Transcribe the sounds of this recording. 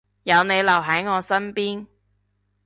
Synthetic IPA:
jɐ˨˧wne˨˧jlɐ˨˩wɦɐ˨˥jŋɔː˨˧sɐ˥npiː˥n

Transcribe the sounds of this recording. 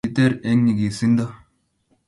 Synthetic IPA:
it̪e˦ɾe˦ŋɲi˨ɡi˨si˦nd̪ɐ˦

